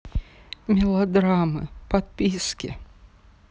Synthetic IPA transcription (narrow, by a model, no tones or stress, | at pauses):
mʲɪlˠɐd̪ɾamɨ̰pɐt̪̚pʲiskʲɪ̰